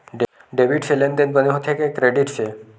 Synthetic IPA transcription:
ɖ | ɖeʋiʈɕelend̪enbəneɦot̪ʰekekːɾeɖiʈse

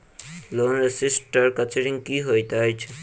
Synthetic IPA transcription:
lonɾesisʈəɾkət͡ʃeɾiŋkiɦojt̪eɦɔjt͡ɕʰe

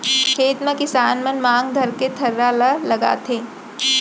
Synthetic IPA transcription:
kʰeːt̪mẽkɪsaːnmɐnmãːŋɡd̪ʱɐɾket̪ʰɐɾːalalɐɡa̰ːt̪ʰẽː

